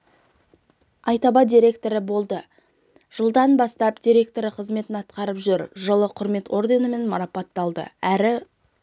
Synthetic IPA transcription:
ɑjt̪ɑbɑd̪ʲiɾʲe̞kt̪o̞ɾɪbo̞lˠd̪ə | ʒ̥əlˠd̪ɑnbɑst̪ɑpd̪iɾʲe̞k̚t̪o̞ɾəqʰəzme̞t̪ɪnɑt̪qɑɾəpʒʏɾʒəlˠəqʰʊɾme̞t̪o̞ɾd̪e̞nəme̞nmɑɾɑpɑt̪ːɑlˠd̪ə̰æɾɪ

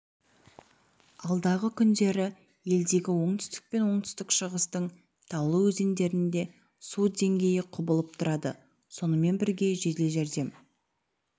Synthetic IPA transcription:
ɑlˠd̪ɑʁəkʲʰʏnd̪e̞ɾɪ | je̞ld̪e̞ɡʲɪwo̞ɴt̪ʏ̥st̪ɪ̥k̚pe̞nwo̞ɴt̪ʰʏ̥st̪ɪkʃəʁəst̪əɴ | t̪ʰɑwlˠəwɵze̞nd̪e̞ɾɪnd̪e̞ | sud̪e̞ŋɡʲe̞jɪqʰʊbəlˠəp̚t̪ʰʊɾɑd̪ə̰ | so̞nəme̞nbɪɾɡʲe̞ʒet̪leʒeɾd̪e̞m

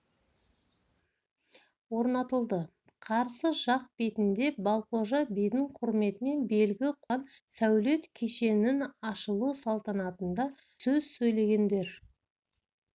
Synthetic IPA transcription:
wo̞ɾnɑt̪əlˠd̪ə | qʰɑɾsəʒɑq̚be̞t̪ɪnd̪e̞bɑlˠqo̞ʒɑbijd̪ɪɴqʰʊɾme̞t̪ɪne̞nbe̞lɡʲɪqʰɑnsæwle̞t̪kʲʰe̞ʃe̞nɪnɑʃəlˠusɑlˠt̪ɑnɑt̪ənd̪ɑ | sɵz̥sɵjle̞ɡʲe̞nd̪e̞ɾ

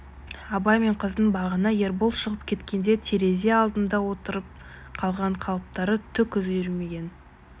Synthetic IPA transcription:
ɑbɑjme̞ɴqʰəzd̪əɴbɑʁənɑje̞ɾbolˠʃəʁəpkʲʰe̞t̪kʲe̞nd̪e̞t̪ʰeɾe̞zeɑlˠd̪ənd̪ɑwo̞t̪əɾəp̚ | qʰɑlˠʁɑɴqʰɑlˠəp̚t̪ɑɾət̪ʰʏkʲʰɵzjʏɾme̞ɡʲe̞n

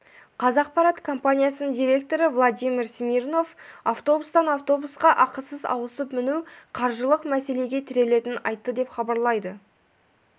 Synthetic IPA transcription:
qʰɑzɑq̚pɑɾat̪kʰo̞mpanʲijasənəd̪ijɾʲe̞k̚t̪o̞ɾəvlˠad̪ʲijmʲiɾsmʲirno̞fɑft̪o̞bust̪ɑnɑft̪o̞busqɑʔɑqəsəzɑ̰wəsəpmɪnuwqʰɑɾʒəlˠəqmæse̞le̞ɡʲe̞t̪ʰɪɾe̞le̞t̪ɪnɑ̰jt̪ːəd̪e̞pχɑbɑɾlˠɑjd̪ə

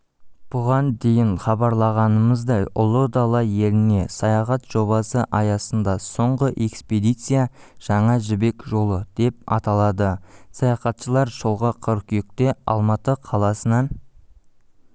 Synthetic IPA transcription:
b̥ʊʁɑnd̪e̞jɪɴχɑbɑɾlˠɑʁɑnəməzd̪ɑjʊ̰lˠəd̪ɑlˠɑje̞lɪne̞sɑjɑχɑt̪ʒ̥o̞βɑsəʔɑjɑsənd̪ɑso̞ɴʁəʔe̞ksped̪ijt̪sɨjaʒ̥ɑɴɑʒɪbe̞kʒo̞lˠəd̪̥e̞p̚ɑ̰t̪ɑlˠɑd̪əsɑjɑχɑt̪ʃəlˠɑɾʒəlˠʁəqʰəɾkʲʰʏjɪk̚t̪e̞ɑ̰lˠmɑt̪əqʰɑlˠɑsənɑn

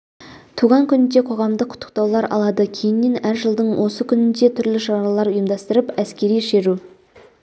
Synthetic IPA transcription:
t̪ʰuʁɑŋkʲʰʏnɪnd̪e̞qʰo̞ʁɑmd̪əqʰʊ̥t̪ːə̥q̚t̪ɑwlˠɑɾʔɑ̰lˠɑd̪əkʲʰe̞jɪnːe̞næɾʒəlˠd̪əɴwʔo̞səkʲʰʏnɪnd̪e̞t̪ʰʏɾlɪʃɑɾɑlˠɑɾʊjəmd̪ɑst̪əɾəpæskʲe̞ɾijʃe̞ɾu

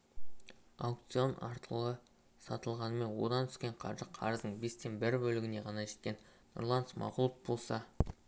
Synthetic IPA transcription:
ɑwk̚t̪sio̞nɑɾt̪əlˠə | sɑt̪əlˠʁɑnəme̞nwo̞d̪ɑnt̪ʰʏ̥skʲe̞ɴqʰɑ̰ɾʒəqʰɑ̰ɾəzd̪əɴbe̞st̪e̞nbɪɾbɵlɪɡʲɪne̞ʁɑnɑʒe̞t̪̚kʲe̞n | no̰rlˠɑnsmɑ̰qʊlˠəp̚bo̞lˠsɑ

